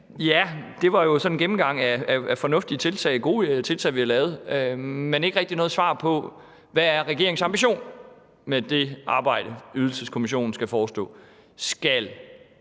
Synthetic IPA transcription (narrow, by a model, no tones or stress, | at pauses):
jæd̥e̝ʋɑ̈jo̝sɒ̽nenɡ̥em̩ɡ̥ɑ̈ŋ̰æææfɒ̽nɔ̽fd̥it͡sʰe̝lt͡sʰɛ̰ɪɡ̥o̝ːt͡sʰe̝lt͡sʰɛ̰ɪʋihɑlɛːʊð̞̩ˠømene̝ɡ̥ʁɛɡ̥̚d̥inɔ̽ːð̞̩ˠsʋɑ̰̈ːpʰɒ̽ | ʋææɐʁæɡ̥e̝ɐeŋsɑ̈mb̥iɕo̝̰ːn | med̥e̝ʔɑ̈ːb̥ɑ̈ɪ̰ɾ̥əyðˠl̩səskʰo̝miɕ̬o̝̰ːn̩sɡ̥æfɒːsd̥ɔ̰̽ː | sɡ̥æl